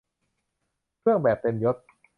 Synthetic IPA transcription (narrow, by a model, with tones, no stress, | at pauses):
kʰɯ˥˩əŋbɛː˨˩p̚t̪e˧mjo˦˥t̪̚